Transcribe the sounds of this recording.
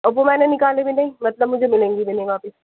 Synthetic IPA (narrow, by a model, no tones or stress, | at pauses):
ɐbomɛ̃ːnenɪkaːlebʱinɐɦĩmɐt̪ləbmʊd͡ʒʱemɪlẽːŋɡibɪneɡaːfɪs